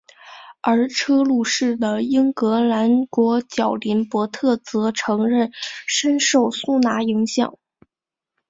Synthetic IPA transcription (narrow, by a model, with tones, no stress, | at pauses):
ə˞˧˥ʈ͡ʂʰɤ˥lu˥˧ʂɻ̩˥˩d̪ə˩i˥ŋkɤ˧˥la˧˥nkwɔ˧˥t͡ɕjɑ˨˩ʊli˧˥npwɔ˧˥t̪ʰɤ˥˩t͡sɤ˧˥ʈ͡ʂʰɤ˧˥ŋɻə˥˩nʂə˥nʂo˥˩ʊsu˥na˧˥i˧˥ŋɕjɑ̰˨˩˦ŋ